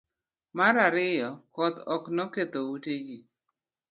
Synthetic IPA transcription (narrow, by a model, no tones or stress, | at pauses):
maɾaɾɪjɔkɔt̪ɔknɔket̪owuted͡ʒi